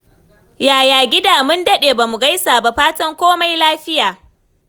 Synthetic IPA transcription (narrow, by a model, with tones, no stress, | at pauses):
jaː˨jaː˨ɡʲɪ˦daː˨mʊ˦ndɐ˦ɗeː˨ba˨mu˨ɡa˦jsaː˨ba˨ɸaː˦tɐ˦ŋkʷoː˦ma˦jlaː˦ɸɪ˦jaː˨